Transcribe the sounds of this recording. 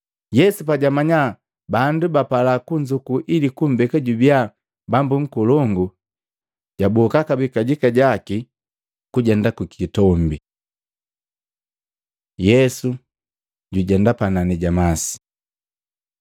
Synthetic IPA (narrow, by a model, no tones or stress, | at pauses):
jɛsupaɟamaɲa | bandubapalakuɲd͡ʒukuʔilikum̩bɛkaɟubja | bambuŋ̩kulɔŋɡu | ɟ̥abɔkakabikaɟikaɟaki | kuɟɛndakukitɔmbi | jɛsu | ɟuɟɛndapananiɟamasi̥